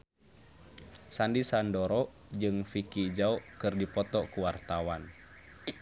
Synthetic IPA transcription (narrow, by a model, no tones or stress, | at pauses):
sandisandɔɾɔ | d͡ʒɨŋfikid͡ʒaɔkɨrdipɔt̪ɔkuwart̪awan